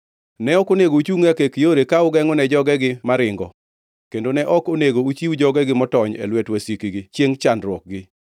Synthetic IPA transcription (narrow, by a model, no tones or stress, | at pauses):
nɛɔkoneɡout͡ʃuŋakekijoɾekaʊɡɛŋɔnɛd͡ʒɔɡɛɡɪmaɾɪŋɡɔ̰ | kendonɛʔɔkoneɡout͡ʃiwd͡ʒɔɡɛɡɪmɔtɔɲḛlwɛtwasikiɡɪt͡ʃjeŋt͡ʃandɾwɔk̚ɡɪ